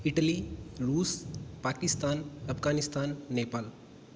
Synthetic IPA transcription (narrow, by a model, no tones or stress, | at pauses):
iʈəliɾuːspaːkist̪aːnɐpʰɡaːnist̪aːnːepaːl